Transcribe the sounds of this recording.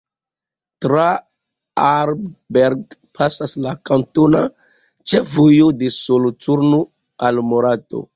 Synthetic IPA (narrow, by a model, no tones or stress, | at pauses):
tɾa | aɾbbeɾɡpʰasaslakantona | t͡ʃevujodesolot͡suɾno | almoɾato̰